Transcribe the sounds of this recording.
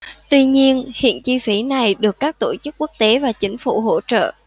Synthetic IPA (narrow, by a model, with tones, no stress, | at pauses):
t̪wi˧ɲi˧ənhḭ˧˨ənt͡ɕi˧fi˨˦na˨˩jɗɨ˨˩əkːaː˦˥k̚t̪o˧˩t͡ɕɨ˦˥k̚ːu˦˥ək̚t̪e˨˦vaː˨˩t͡ɕï˨˦ŋ̟fṵ˧˩ɦo̰˧˥˩t͡ɕə̰ː˧˨ʔ